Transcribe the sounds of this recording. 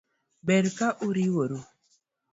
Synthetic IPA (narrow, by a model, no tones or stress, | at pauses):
bɛɾkaʔuɾiwoɾo